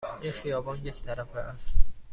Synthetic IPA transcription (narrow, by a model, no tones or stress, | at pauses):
ʔinxijɒːbɒːnje̞ct̪ʰæɾæfeʔæst̪